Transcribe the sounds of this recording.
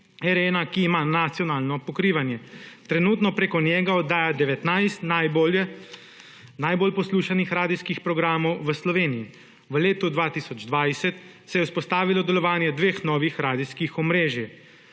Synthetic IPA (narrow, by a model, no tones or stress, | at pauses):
ɛɾeːnakiːmaːnat̪sjɔnaːlnɔpɔkɾiːʋanjɛt̪ɾɛnuːt̪nɔpɾeːkɔnjɛːɡaɔd̪aːjad̪ɛʋɛt̪najst̪nab | najbolpɔsluːʃanixɾaːd̪iskixpɾɔɡɾaːmɔwʋəslɔʋeːnii | ʋəleːt̪ud̪ʋaːt̪isɔd͡ʒd̪ʋajsɛt̪ | sɛjɛwspɔst̪aːʋilɔd̪ɛlɔʋaːnjɛd̪ʋeːxnɔːʋixɾaːd̪iskixɔmɾeːʒjɛ